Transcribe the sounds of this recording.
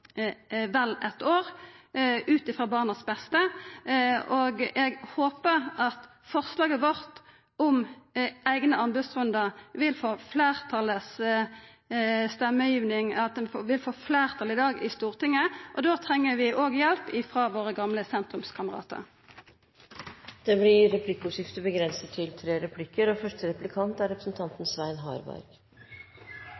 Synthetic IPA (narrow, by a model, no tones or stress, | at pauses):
ʋɛlɛt̪oːʁ | ʉːt̪ɪfʁɑːbɑːʁnəsbɛst̪ə | ʔoːɡʔɛɡhoːpəʁɑt̪ | fɔʁslɑːɡəʋɔʁt̪ | ɔm | æɪɡnəɑnbəsʁʉnd̪əʁʋɪlfoːfleːʁt̪ʰɑləs | st̪ɛmːəjiːʋnɪŋɑt̪̚d̪ɛnfoʋɪlfoːfleːʁt̪ʰɑlɪd̪ɑːɡɪst̪uːʁt̪ɪŋːəʔɔd̪oːt̪ʰʁɛŋːəʋɪʔoːɡjɛlpɪfʁɑːʋoːʁəɡɑmləsɛnt̪ʁʉmskʰɑməʁɑ̰ːt̪ə̰ʁ | d̪̥ɛblɪɾɛpʰlɪkːʊsɪft̪əbəɡɾɛnsət̪ʰːɪlt̪ʰɾeːɾɛpʰlɪkːəɾɔfœʂʈəɾɛplɪkʰɑnt̪æɾɛpɾə̥sn̩t̪ʰɑnt̪n̩sʋæɪnɦɑ̰ːɾbæ̰ɾɡ̥